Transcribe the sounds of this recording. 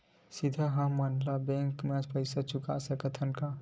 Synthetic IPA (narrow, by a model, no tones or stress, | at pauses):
sid̪ʱəɦãmənlabẽŋkmẽd͡ʒpəɪsat͡ʃʊka̰səkət̪ʰənka